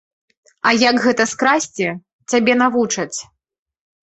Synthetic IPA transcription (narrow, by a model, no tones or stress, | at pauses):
ɐjɐɡɣɛt̪ɐskɾasʲt͡sʲɛ | t͡sʲabʲɛnavut͡ʂɐt͡sʲ